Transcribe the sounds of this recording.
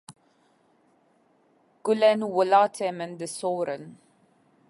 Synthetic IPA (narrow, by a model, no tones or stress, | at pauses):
ɡ̥ulɛnwʊlatʰɛmə̃nd̪əsɔːɾə̃n